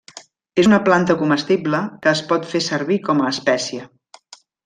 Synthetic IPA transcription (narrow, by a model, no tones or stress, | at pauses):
ezunəplant̪əkuməst̪ibləkəːspɔt̪fesəɾβikɔməːspɛsiə